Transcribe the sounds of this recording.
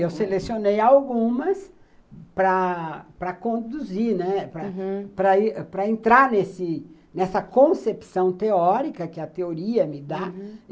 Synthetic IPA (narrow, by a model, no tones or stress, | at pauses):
ewselesionejawɡũmɐs | pɾɐpɾɐkõd̪uziɾnɛpɾɐpɾɐipɾɐẽnt̪ɾaɾnesɪnɛsɐkõsepsɐ̃w̃t̪eɔɾikɐkɪɐt̪eoɾiɐmɪd̪a